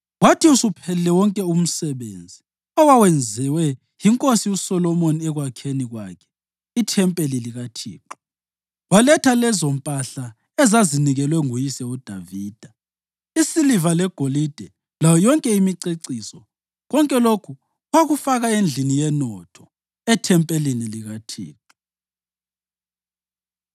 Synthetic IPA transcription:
watʰiusupʰɛlɛwɔŋkʼɛum̩sɛβḛːnd͡zʱi | ɔwawɛnd͡zʱɛwɛ | jiŋkʼosiusɔlɔmoniɛɣwakʰeniɣwa̰kʰɛ̥ | itʰɛmpʼeliliɣatʰḭːǃɔ̥ | walɛtʰalɛzom̩pʼaɬa | ɛzaziniɣɛlwɛŋujisɛud̥ʱaviːd̥ʱa | isilivalɛɡ̥ʱolid̥ʱɛ | lajɔjɔŋkʼɛimiǀeǀiːsɔ | ɣɔŋkʼɛlokʰu | ɣwaɣufaɣaend͡ɮʱinijɛnɔtʰɔ | ɛtʰɛmpʼeliniliɣatʰḭːǃu

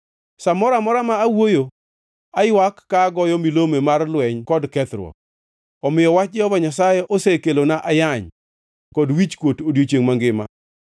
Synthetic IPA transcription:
samɔɾamɔɾamaːwojo | ajwakːaɡɔjɔmilomemarlwɛɲkɔdkɛt̪ɾwɔ̰ | ɔmɪjɔwat͡ʃɔvaɲasajɛʔosekelonaʔajaɲ | kɔdwit͡ʃkwotodjot͡ʃeŋmaŋɡɪma̰

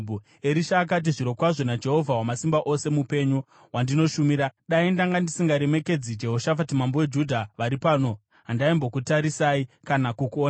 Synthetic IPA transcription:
eɾiʃaːk̬at̬iʐiɾo̞kwaʐo̞nad͡ʒe̞ɦo̞vʱawamasimbaʔo̞se̞mupe̞ɲo | wandino̞ʃumiɾaɗaindaŋɡandisiŋɡaɾe̞me̞ke̞d͡zid͡ʒe̞ɦoʃafatimambowe̞d͡ʒudʱaʋaɾipaːno̞ | ɦandaimbo̞kutaɾisaːikanakukuon

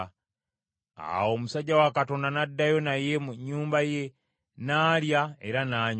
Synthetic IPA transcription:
a̰wo̞musaɟːawakato̞ndanadːajo̞naje̞muɲːuːmbaje | naːljaeɾanaːɲ

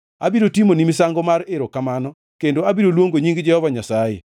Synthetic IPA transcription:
abiɾotimonimisaŋɡɔmaɾɪɾokamanɔ | kendoabiɾolwoŋɡoɲiŋɡd͡ʒɛhɔvaɲasajḛ

